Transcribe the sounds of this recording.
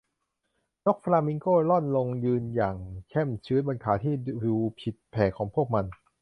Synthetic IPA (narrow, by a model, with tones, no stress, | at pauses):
no˦˥k̚pʰa˧laː˧mi˧˥ŋkoː˥˩lɔ˥˩nlo˧ŋjɯː˧njaː˨˩ŋkʰɛ˥˩mt͡ɕʰɯː˦˥t̪̚ba˧nkʰaː˩˦t̪ʰiː˥˩uː˧pʰi˨˩t̪̚pʰɛː˨˩kʰːɔː˩˦ŋpʰu˥˩ək̚ma˧n